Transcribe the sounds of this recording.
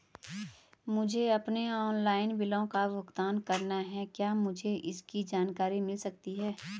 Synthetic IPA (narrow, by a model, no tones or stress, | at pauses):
mʊd͡ʒʱeɐpneɔːnlaːɪnbɪlõkaʋʊkt̪aːnkɐɾnaɦɛkjaːmʊd͡ʒʱeʔɪskid͡ʒaːnkaːɾimɪlsɐk̚t̪iɦɛː